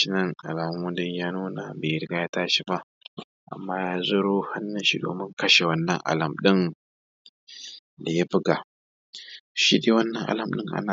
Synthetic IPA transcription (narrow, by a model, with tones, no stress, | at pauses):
i˦nɐ˦ŋʔa̰˨laː˨m˦mu˦dɪ˦ɲjaː˦nuː˦na˨beː˨jɪ˨ɾɡa˦ja˦taː˦ʃi˦ba˦ʔ | ʔa̰˨mːaː˦jaː˦zo˦ɾoː˦ha˦nːa˦nʃi˦do̰ː˨mɪ˦ŋkɐ˦ʃe˨wɐ˦nːɐ̰˨ŋʔa̰˨lɐ˨mɗɪ˦n | da˨ja˦bɪ˦ɡa˨ | ʃḭ˦deː˨˦wɐ˦nːɐ˨ŋʔa̰˨lɐ˨mɗɪ˦ŋʔa̰˦na˨